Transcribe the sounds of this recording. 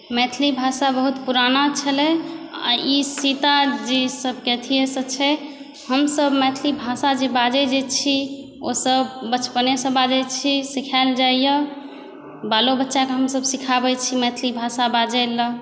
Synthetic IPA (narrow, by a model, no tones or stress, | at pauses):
mɛt̪ʰlibʱasabəɦut̪puɾanat͡ʃʰəlɛa̰isit̪ad͡ʒesəbʱket̪ʰijesət͡ʃʰɛ | həmsəbmɛt̪ʰlibʱasad͡ʒebad͡ʒɛd͡ʒet͡ʃʰi | osəbːət͡ʃpənesə̃bad͡ʒɛt͡ʃʰisikʰaɪld͡ʒaijə | balobətːʃakeɦəmsəbsikʰabɛt͡ʃʰimɛt̪ʰlibʱasabad͡ʒɛlə